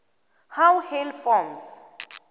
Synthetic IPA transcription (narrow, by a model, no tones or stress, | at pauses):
hawhɛlfɔms